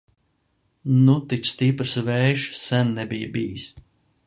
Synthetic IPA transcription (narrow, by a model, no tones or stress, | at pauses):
nut̪it̪st̪ipɾsvɛːʃsænːɛbijəbiːis